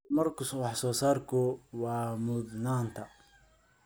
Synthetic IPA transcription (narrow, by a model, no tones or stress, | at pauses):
mɐrkʰʊswɑħsɔːsaːrkʰʊwɑːmʊd̪naːnt̪ʰɐ